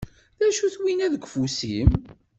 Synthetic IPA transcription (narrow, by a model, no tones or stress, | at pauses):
ðæʃuθwinæðəɡʷfusim